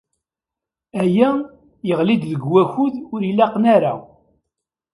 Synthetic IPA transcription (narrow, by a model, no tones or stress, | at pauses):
æjæ | jəʁlid̪ðəɡwæçʊðʊɾilːæqnaɾa̰